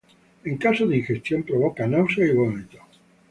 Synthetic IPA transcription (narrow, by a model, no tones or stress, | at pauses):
eŋkasoðiŋxest̪jompɾoβokanawsoiβomeʎo